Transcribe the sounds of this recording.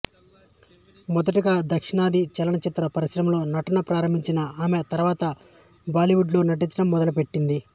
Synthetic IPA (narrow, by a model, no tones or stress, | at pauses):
mɔd̪ɐʈiɡaːd̪ɐkʂiɳaːd̪it͡ʃɛlɐɳɐt͡ʃit̪ːɾɐpɐɾiʃɾɐmlo̞ːnɐʈɐnɐpɾaːɾɐmbʱiɲt͡ʃinɐaːmet̪ɐɾuʋaːt̪ɐ | baːliʋuɖlunɐʈ̬it͡ʃɐɽɐmːɔd̪ɐlupe̞ʈːind̪i